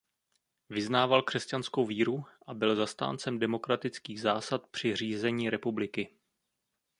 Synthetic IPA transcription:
vɪznaːvalkr̝̥ɛscansko̞wviːɾuʔabɪlzast̪a̰ːnt͡sɛmdɛmo̞kɾat̪ɪt͡skiːɣzaːsat̪̚pr̝̥ɪr̝iːzɛɲiːɾɛpublɪkɪ

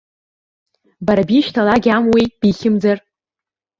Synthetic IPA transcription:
baɾabiʃtʰalaɡʲamwijb̥iχʲɪmd͡zar

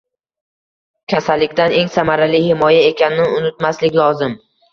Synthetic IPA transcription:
kʲʰasalːɪkʲt̪ane̞ŋsamaɾalihɪmɒjae̞kʲʰanɪnɪʊnɪt̪̚maslɪkʲlˠɒzɪm

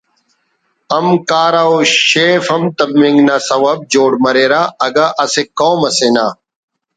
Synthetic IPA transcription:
ɐmkaːɾaoɕeːfɐmt̪ɐbĩŋɡnaːsɐwɐb̚d͡ʑoːɽmɐɾeːɾaːɐɡaʔɐsekoːmɐsenaː

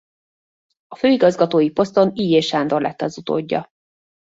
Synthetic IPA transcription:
ɒføːiɡɒzɡɒt̪oːjipo̞st̪o̞niːjeːʃaːnd̪o̞rlʔɛ̰t̪ːɛɒzut̪o̰ːɟːɒ̰

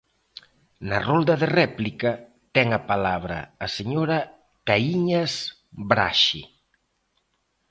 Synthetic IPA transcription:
nɐrold̪ɐðerɛplikɐ | t̪ɛŋapalaβɾɐ̰ːseɲoɾɐ | kaiɲas | bɾa̰ʃḭ

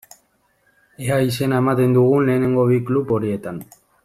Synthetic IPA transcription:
eaise̞nae̞mat̪e̞nd̪uɣ̞unle̞ːne̞ŋɡo̞βiklupo̞ɾie̞t̪an

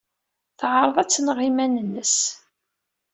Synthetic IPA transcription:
θʕəɾˤðˤæt͡sːnʁimænənːəs

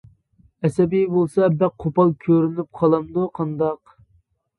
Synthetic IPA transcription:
ɛsɛbijbolˠsɑbæq̚qʰːopɑlˠkʲʰøɾynyp̚qʰɑlˠɑmd̪uqʰɑnd̪ɑq

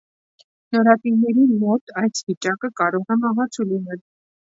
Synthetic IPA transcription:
nɔɾɑt̪inɛɾimɔt̪ɑjsvit͡ʃɑkəkɑɾɔʁɛmɑɦɑt͡sʰulinɛl

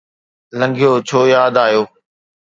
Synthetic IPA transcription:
lə̃ŋɡʱijoːt͡ɕʰoːjaːd̪aːjoː

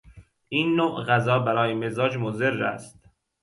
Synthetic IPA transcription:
ʔiːnːoʔɣæzɒːbæɾɒːjemezɒːd͡ʒmoze̞ɾːæ̰st̪̚

